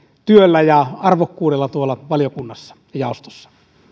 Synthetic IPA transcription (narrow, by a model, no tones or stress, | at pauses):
t̪yølːæjɑɑrʋokːuːdelːɑt̪uolːɑʋɑljokunːɑsːɑ̥ | jɑˑost̪o̥sːɑ̥